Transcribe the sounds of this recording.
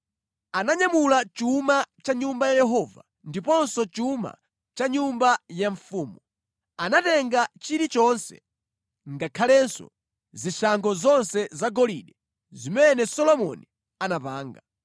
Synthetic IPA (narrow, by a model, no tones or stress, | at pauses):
anaɲamulat͡ʃumat͡ʃaɲumbajajɛɦɔva | ndipɔnsɔt͡ʃuma̰ | t͡ʃaɲumbajaɱfuːmu | anatɛŋɡat͡ʃiɾit͡ʃɔnsɛ̰ | ŋɡakʰalɛnsɔ̰ | ziʃaŋkɔzɔnsɛzaɡɔliɗɛ | zimɛnɛsɔlɔmɔ̰ni | anapaːŋɡa